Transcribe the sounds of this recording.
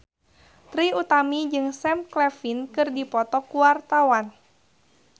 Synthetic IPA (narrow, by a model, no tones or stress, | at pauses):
t̪ɾiut̪amid͡ʒɨŋsɛmklɛfinkɨrdipɔt̪ɔkuwart̪awan